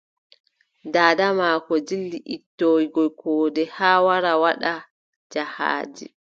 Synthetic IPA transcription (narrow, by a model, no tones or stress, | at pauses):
daːdamakɔd͡ʒilːiʔitːoːwiɡɔjkʰɔːdɛhaːwaɾawaɗa | d͡ʒaha̰ːd͡ʒḭ